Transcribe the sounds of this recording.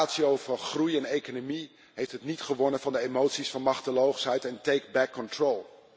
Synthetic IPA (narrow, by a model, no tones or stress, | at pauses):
tsiowv̥əɹχrujɛnejkənomi | ɦejftɦətnitχəʋɔnənvɑndəemowtsisfɑnmɑχtəlowχsɦɛjtɛntejkbɛkːɔntrolˠ